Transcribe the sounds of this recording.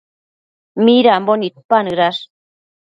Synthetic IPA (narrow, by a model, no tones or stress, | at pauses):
miɾambonit̪̚panɨɾas